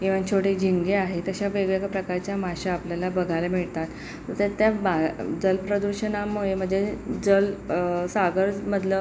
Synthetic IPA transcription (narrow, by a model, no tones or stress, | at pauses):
kĩw̃ʋat͡ɕʰoʈed͡ʑʱiŋɡeaɦet̪əɕaʋeɡɭekpɾəkaɾt͡ɕjamaɕaapljalabəɡʱalamiɭt̪at̪ː | əɾt̪at̪jabad͡zəlpɾəd̪uɾɕənamoɭem̤əɳd͡zed͡zəlsaɡəɾd͡zməd̪ʱlə